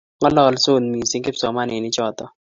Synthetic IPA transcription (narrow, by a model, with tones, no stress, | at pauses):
ŋɔ˦lɔ˦lso˦˨nmi˨si˦ŋkɪ˦psɔ˨ma˦nɪ˨nɪ˦t͡ʃɔ˦t̪ɔ˨